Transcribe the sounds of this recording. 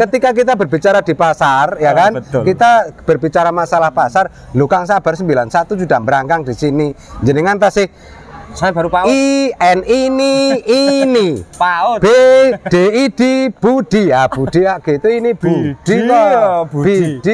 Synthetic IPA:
kət̪ikak̬it̪abərbit͡ʃaɾad̥ipasarjakankit̪ab̥ərbit͡ʃaɾamasalahpasar | lukaŋs̬ab̥arsəmbilansat̪ud͡ʒud̪ambəɾaŋkaŋdisini | ɲd͡ʒəniŋant̪asɪh | abaɾuaiɛniniː | niab̥ed̥eid̥ib̥ud̥iab̥ud̥iaɡ̥it̪uinib̥ud̥i | bed̥i

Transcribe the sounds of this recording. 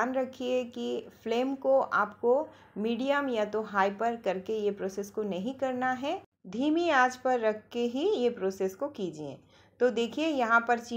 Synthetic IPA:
nɾɐkʰiekifleːmkoʔa̰ːpko | miːɖijəmjat̪oɦaːɪpɐɾkɐɾkejepɾoːseːskonɐɦĩkɐɾnaɦɛ | d̪ʱiːmiaːd͡ʒpɐɾːɐkʰːeɦijepɾoːseːskokiːd͡ʒiḛ̃ː | t̪od̪eːkʰiejɐɦãpɐɾt͡ʃi

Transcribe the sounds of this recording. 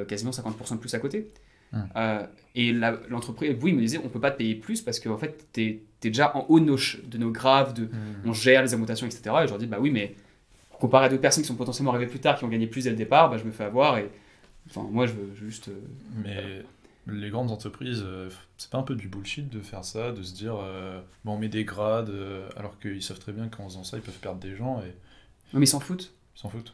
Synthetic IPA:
kazimɑ̃sɛ̃kɑ̃t̪puʁsɑ̃d̪əplysakot̪e | ø | elalɑ̃t̪χəpχizwiməd̪izɛɔ̃pøpat̪ə̥pejeplyspaʁsə̥kəɑ̃fɛt̪ːɛt̪ːɛd̪eʒaʔɑ̃ʔonɔʃd̪ənoɡʁavd̪əɔ̃ʒɛʁlezɔɡmɑ̃t̪asjɔ̃ɛkse̥t̪eʁaeʒəʁd̪ibawimɛ | puʁkɔ̃paʁead̪ot̪χpɛsɔnkʲisɔ̃pɔt̪ɑ̃sjɛlmɑ̃aʁiveplyt̪aʁkʲiɔ̃ɡaɲeplysd̪ɛləd̪epaʁbaʒəməfɛavwaʁe | ɑ̃fɛ̰̃mwaʒəvøʒyst̪ømɛ | leɡʁɑ̃d̪zɑ̃t̪χəpχizøfsɛ̥paɛ̃pød̪ybulʃit̪̚d̪əfɛʁsad̪əs̬əd̪iːʁøbɛɔ̃mɛd̪eɡʁad̪øa̰lɔʁkəilsav̥t̪χɛbjɛ̃kɑ̃zɑ̃sailpœv̥pɛʁd̪ʁd̪eʒɑ̃e | wɛmɛsɑ̃fut̪ | sɑ̃fut̪

